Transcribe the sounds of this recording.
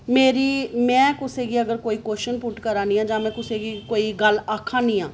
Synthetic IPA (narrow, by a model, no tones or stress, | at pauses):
meːɾiːmɛ̃ːkʊseːɡiːəɡəɾkoːiːkoːʃənpʊʈkəɾaːnĩːãːd͡ʒãːmɛ̃ːkʊseːɡiːkoːiːɡəlaːkʰãːnĩːã̰ː